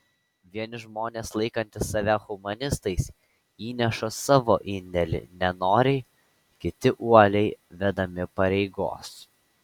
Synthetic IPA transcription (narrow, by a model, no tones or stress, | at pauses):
ʋʲiɛnʲɪʒmoːnʲeːslˠɐɪkɐnʲt̪ʲɪsːɐʋʲæxʊmɐnʲɪst̪ɐɪsʲ | iːnʲɛʃosɑːʋoːʔɪnʲd̪ʲɛlʲɪ̰nʲɛnoːɾʲɛɪ | kʲɪt̪ʲɪʔuɔlʲɛɪʋʲɛd̪ɐmʲɪpɐɾʲɛɪɡo̰ːs